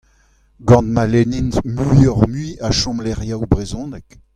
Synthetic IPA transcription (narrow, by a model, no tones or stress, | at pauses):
ɡɑ̃nt̪malenintmyɔʁmɥiaʃɔ̃mlɛʁjawbʁezɔ̃ːnɛk